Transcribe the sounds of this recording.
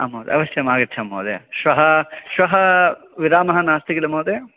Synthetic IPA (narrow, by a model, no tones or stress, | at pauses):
ɐ̰mːɐːd̪ḛɐ̰ʋɐʃjɐmaːɡɐtːt͡ʃʰɐmːɐ̰ːd̪ḛʃʋɐɦɐʃʋɐɦɐʋiɾaːmɐɦɐnaːst̪ikɐlɐmɐːd̪e